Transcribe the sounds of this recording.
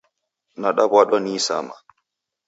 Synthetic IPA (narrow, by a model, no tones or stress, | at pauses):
naɗabwaɗɔniːsa̰ma